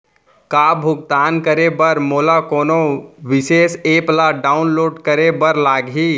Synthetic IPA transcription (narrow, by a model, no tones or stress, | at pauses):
kabʱʊɡ̚t̪aːnkəɾebəɾmoːlakoːnoʋɪseːseːplaɖaːʊnloːɖkəɾebəɾlaːɡiː